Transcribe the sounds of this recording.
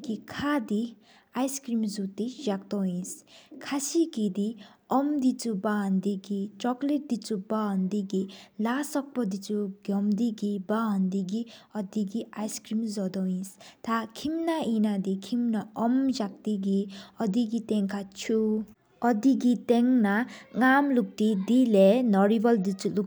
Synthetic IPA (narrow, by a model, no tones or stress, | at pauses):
ɡikʰad̪i | ajskɾimzut̪id͡ʒak̚t̪ɔĩskʰasikid̪iɔmd̪it͡suband̪iɡit͡sɔkleʈ̚d̪it͡subaɦʌnd̪iɡilasɔk̚pɔd̪it͡suɡjɔmd̪iɡibaɦʌnd̪iɡiʌd̪iɡiajskɾimzɔd̪ɔĩst̪ʰakʰimnaʔinad̪ikʰimnaɔmd͡ʒak̚t̪iɡiʌd̪iɡit̪eŋkʰat͡ʃʰu | ʌd̪iɡit̪eŋnaŋamluk̚t̪id̪ilenʌɾibʌld̪it͡sʰuluk